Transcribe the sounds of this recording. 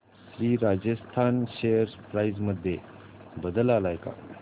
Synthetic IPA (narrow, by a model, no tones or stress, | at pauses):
sɾiːɾad͡ʑəst̪ʰanɕejəɾspɾajzməd̪ʱːje | bəd̪əlalajka̰